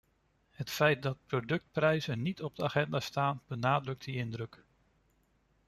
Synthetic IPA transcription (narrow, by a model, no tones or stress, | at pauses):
ɦətfɛjt̚dɑt̚prowdɵk̚tprɛjzənitɔb̚dəaχɛndaːstaːnb̥ənaːdrɵk̚tdiɪndrɵk